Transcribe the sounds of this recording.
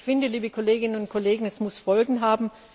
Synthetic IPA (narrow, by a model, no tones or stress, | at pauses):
fɪndəliːbəkʰoleːɡɪnənʊnt̚kʰoleːɡŋ̩ɛsmʊsfɔlɡŋ̩ɦaːbm̩